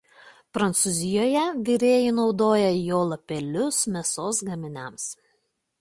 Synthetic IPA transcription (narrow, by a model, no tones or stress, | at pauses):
pɾɐnt̪sʊzʲɪjoːjɛʋʲɪɾʲeːjɪnɒʊd̪oːjɛjoːlˠɐpʲɛlʲʊsmʲɛsoːsɡɐmʲɪnʲɛms